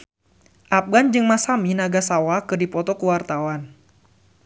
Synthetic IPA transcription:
ʔap̚ɡand͡ʒɨŋmasaminaɡasawakɨrdipɔt̪ɔkuwart̪awan

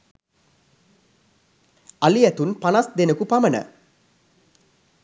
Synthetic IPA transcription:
aliæt̪unpanasd̪enəkupamənə̰

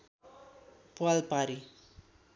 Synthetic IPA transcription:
pualpaɾi

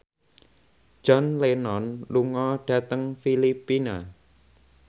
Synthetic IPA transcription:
d͡ʒ̥ɔnlenɔnluŋɔɖ̥ä̤t̪əŋfilipina

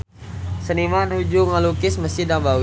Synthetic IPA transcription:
sənimanud͡ʒuŋalukɪsməsidaŋba

